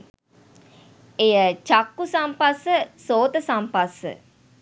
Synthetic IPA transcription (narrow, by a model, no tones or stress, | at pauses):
ejət͡ʃakːusampasəsoːt̪əsampasə̰